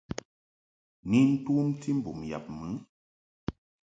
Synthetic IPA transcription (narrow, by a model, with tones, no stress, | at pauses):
ni˦n̩˦tu˦mti˦m̩˦bu˨mja̰˨p̚mɨ˨˦